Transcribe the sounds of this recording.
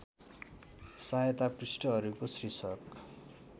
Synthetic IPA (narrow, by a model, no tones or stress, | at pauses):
sajt̪aprisʈʌɦʌɾukosrisʌk